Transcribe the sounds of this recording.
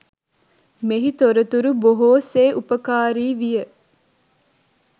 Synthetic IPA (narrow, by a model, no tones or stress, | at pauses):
meɦit̪oɾət̪uɾuboɦoːseːʔupəkaːɾiːʋijə